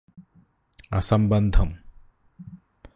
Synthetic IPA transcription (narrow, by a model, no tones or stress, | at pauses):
ɐ̰sɐmbɐnd̪ʱɐm